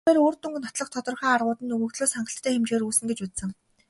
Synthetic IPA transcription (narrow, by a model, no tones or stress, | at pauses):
eːɾoːrt̪ɵ̆ŋɡ̆nɔt̪ɮɞ̆χt̪ʰɔt̪ɞ̆rχaːarʁʊːt̪ɘ̆nɵɣɵ̆kt̪ɮoːsχaɴɢə̆ɬt̪ʰːæːxemt͡ɕeːɾuːsɘ̆ŋɡet͡ɕut̪sə̆ŋ